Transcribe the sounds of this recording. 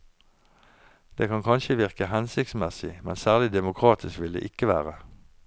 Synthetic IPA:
d̪̥eːkʰɑnkʰɑnʃəʋɪʁkəhɛnsɪkt̪smɛsɪmɛnsæːʁlɪd̪ɛmʊkʰʁɑːt̪ʰɪskʋɪld̪ḛːʔɪkəʋæ̰ːʁə

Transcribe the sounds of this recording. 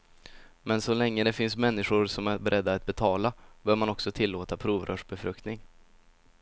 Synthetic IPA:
mɛnsɔlɛŋːəd̪ɛfɪnsmɛnːɪɧʊɾsɔmæɾbɛɾʔɛd̪ːaːt̪̚bɛt̪ʰɑːlab̥œːɾmanɔksɔt̪ʰɪlːoːt̪apʰɾuːvɾʔœ̰ːʂbɛfɾɵk̚t̪nɪŋ

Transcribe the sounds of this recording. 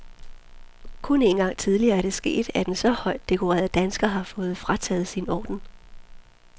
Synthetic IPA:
kʰɔne̝ːnɡ̥ɑ̈ŋ̰t͡sʰið̞ˠliɐːæɐɾ̥e̝sɡ̥e̝̰ːd̥æɐd̥ensɒ̽hɒ̽ɪ̰d̥̚ːe̝kʰoʁɛ̰ːɐð̩ˠd̥ænsɡ̥ɐɦɑ̈fɔ̽ːð̩ˠfʁɑt͡sʰɛ̰ːð̞̩ˠsinɒ̰ːd̥n̩

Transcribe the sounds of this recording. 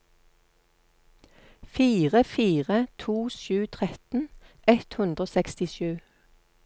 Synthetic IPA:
fiːʁəfiːʁət̪ʰuːʃʉːt̪ʰʁɛt̪n̩ʔɛt̪hʉnd̪ʁoːsɛkst̪ɪʃʉː

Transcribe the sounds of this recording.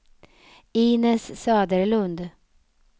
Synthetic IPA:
iːnɛssɑːd̪əɾlɵnd̪

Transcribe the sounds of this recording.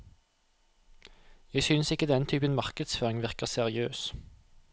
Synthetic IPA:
jæɪsynsɪkːəd̪ɛnt̪ʰyːpənmɑʁkəd̪sføːʁɪŋʋɪʁkəʁsɛʁɪøːs

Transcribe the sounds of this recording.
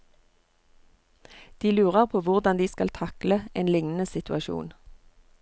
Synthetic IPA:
d̪̥iːlʉːʁəʁpʰoːʋʊʁd̪ɑnd̪iːskɑlt̪ʰɑkləʔeːnlɪŋnn̩əsɪt̪ʰʉɑʃṵːn

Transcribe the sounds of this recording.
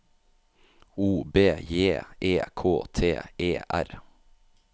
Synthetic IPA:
uːbeːjeːʔeːkʰoːt̪ʰḛːeːʔæ̰ɾ

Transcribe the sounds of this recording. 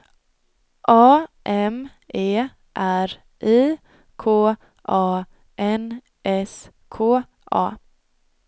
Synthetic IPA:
ʔɑːʔɛm | ʔeː | ʔæɾ | ʔiː | kʰoː | ʔɑː | ʔɛn | ʔɛs | kʰoː | ʔɑ̰ː

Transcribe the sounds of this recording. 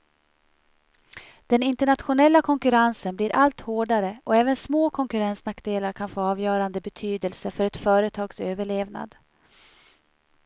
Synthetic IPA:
d̪̥ɛnɪnt̪əɳat̪ɧʊnɛlːakʰɔŋkɵɾansənbliːɾʔalt̪hoːɖaɾəʔɔɛːvənsmoːkʰɔŋkɵɾɛnsnakːd̪eːlaɾkʰanfoːɑːvjœːɾand̪əbɛt̪ʰyːd̪əlsəfœɾɛt̪fœːɾət̪ʰɑːɡsøːvəɭeːvna̰d̪

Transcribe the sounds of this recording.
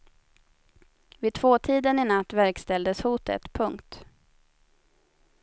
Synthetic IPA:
vɪt̪ʰvoːt̪ʰiːd̪ənɪnat̪ːvæɾkst̪ɛld̪əshuːt̪ə̰t̪pʰɵŋkt̪

